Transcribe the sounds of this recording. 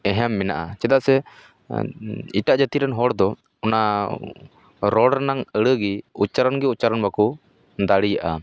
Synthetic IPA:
ɛɦɛmːɛna̰ʔat͡ʃɛd̪aʔsɛ | iʈaʔd͡ʒət̪iɾanɦɔɽd̪ɔ | ɔna | ɾɔɽnaŋəɽəɡiut͡ʃaɾanɡiut͡ʃaɾanbakɔ | d̪aɽijaʔa̰

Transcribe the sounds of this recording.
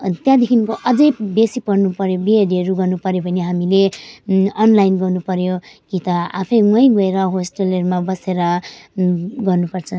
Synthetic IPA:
t̪jãd̪ekʰinkoʔʌd͡zʌjbesipʌrnupʌɾjobiɦeɖiʌɾuɡʌrnupʌɾjobʱʌneɦamile | ʌnlajnɡʌrnupʌɾjokit̪ʌa̰pʰʌjmʌj̃ɡʌeɾʌɦosʈʌlʌɾumabʌseɾʌ | ɡʌrnupʌrt͡sʰʌ̃

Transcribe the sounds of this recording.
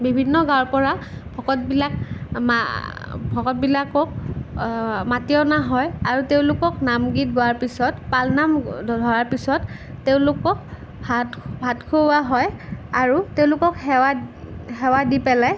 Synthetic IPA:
bibʱinːɔɡaɹpɔɹabʱɔkɔt̚bilak̚m | bʱɔkɔt̚bilakɔk | matijɔnaɦɔjaɹuteʊ̃lʊkɔknamɡit̚ɡɔaɹpisɔtpalnamdʱdʱɔɹaɹpisɔtː | eʊ̃lʊkɔk̚ | babʱatkʰoaɦɔjaɹuteʊ̃lʊkɔkhɛahɛwadipɛlaj

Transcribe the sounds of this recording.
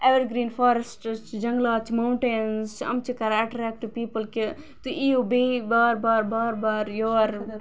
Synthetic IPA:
eʋeɾɡɾiːnfʰɔːɾesʈt͡ʃʰid͡ʒɐŋɡlaːt͡ʃʰimawɳʈenst͡ʃɐ̰mt͡ʃʰikɐɾaʈɾɛk̚ʈːupiːpəlke | t̪uiobebaːɾbaːɾbaːɾbaːɾjoɾ

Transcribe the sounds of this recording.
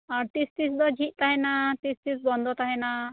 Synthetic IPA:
aɾʈisʈ̪isd̪ɔd͡ʒʱit̪̚ˀt̪aɦɛnaʈist̪isbɔnd̪ʱɔt̪aɦɛna

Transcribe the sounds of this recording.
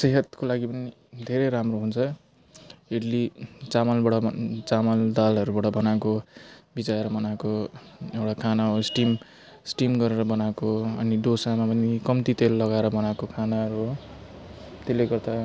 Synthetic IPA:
seɦʌt̪kolaɡipʌni | d̪ʱeɾʌjɾamroɦunt͡sʰʌ | eɽlit͡samʌlbaɽʌt͡samʌld̪alɦʌɾubaʈʌbʌnakobit͡saeɾʌbʌnakoewɽakʰanaɦosʈim | sʈimɡʌɾeɾʌbʌnakoʌniɖosamapʌnikʌmt̪it̪elːʌɡaeɾʌbʌnakokʰanaʌɾuɦo | t̪elːeɡʌrt̪a

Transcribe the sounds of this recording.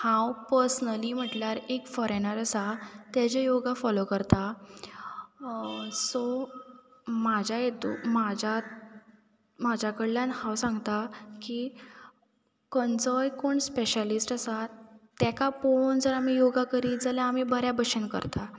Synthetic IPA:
hãwpəɾsnəliːm̤əʈljaɾekfɔɾenəɾəsat̪jad͡ʑejoɡafɔlokəɾt̪a | sɔ | mad͡ʑʱjajet̪ṵmad͡ʑʱa | mad͡ʑʱakəɽljanhãwsãŋɡt̪aki | kənd͡zɔjkoːɳspeɕəlisʈəsat̪akapond͡zəɾam̤ijoɡakəɾiːd͡zaljaamiːbəɾjabəɕənkə̰ɾt̪a

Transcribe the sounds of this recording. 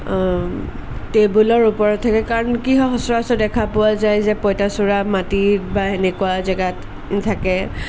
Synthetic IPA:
tebulɔɹupɔɹɔtʰːakɛkaɹɔnkiɦɔɦɔsɔɹasɔdɛkʰapʊwazajzɛpɔjtasuɹamatibaenɛkʊazɛɡat | tʰakɛ

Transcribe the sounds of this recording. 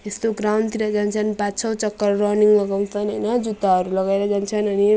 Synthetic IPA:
est̪oɡɾawnɖt̪iɾʌd͡zant͡sʰʌnpat͡sʰʌwt͡sʌkːʌrrʌniŋmaɡaw̃t͡sʰʌnɦʌjnʌd͡zut̪aɦʌɾulʌɡaeɾʌd͡zant͡sʰʌnʌni

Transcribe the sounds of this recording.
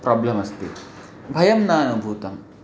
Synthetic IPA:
pɾaːblɐmɐst̪i | bʱɐjɐmnaːnubʱuːt̪ɐm

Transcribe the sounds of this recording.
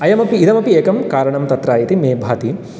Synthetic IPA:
ɐjɐmɐpiːd̪ɐmɐpieːkɐmkaːɾɐɳɐmt̪ɐt̪ɾaːjit̪imeːbʱaːt̪i

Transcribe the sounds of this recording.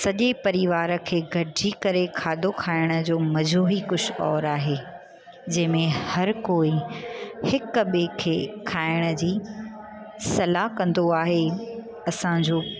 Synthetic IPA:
sɐʄepɐɾiʋaːɾə̆kʰeːɡʱɐʈɪd͡ʑiːkɐɾekʰaːd̪okʰaːɪɽ̃ə̆d͡ʑoːmɐd͡ʑoːɦikʊɕɔːɾaːɦeː | d͡ʑɐ̃ɦɪ̃mẽhɐɾkoːi | hɪkɓekʰeːkʰaːɪɽ̃ə̆d͡ʑiː | sɐlakɐ̃nd̪oaːɦe | ɐsãd͡ʑoː

